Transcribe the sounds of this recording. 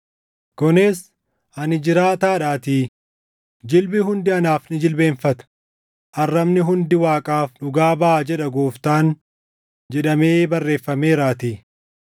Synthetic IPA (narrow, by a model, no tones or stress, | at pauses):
kɔneːs | ʔɐnɪd͡ʒɪɾaːt̪aːᶑaːt̪iː | d͡ʒɪlbɪɦʊnd̪ɪɐnaːfnɪd͡ʒɪlbe̞ːnfɐt̪ɐ̥ | ʔɐrːɐmnɪɦʊnd̪ɪwaːkʼaːfᶑʊɡaːbɐʔad͡ʒɛᶑɐɡoːft̪aːn | d͡ʒɛᶑɐmeːbɐrːe̞ːfːɐme̞ːɾaːt̪iː